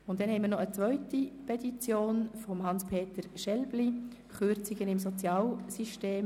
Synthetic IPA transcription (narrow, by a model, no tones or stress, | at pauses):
ʊntd̥ɛnhɛɪmiɾnɔət͡sʋœʏtipʰɛtit͡sjoːnfɔmɦɑnspʰeːtəɾʃɛlb̥li | χøɾt͡siɡənɪmsɔt͡sjɑːlsiʃteːm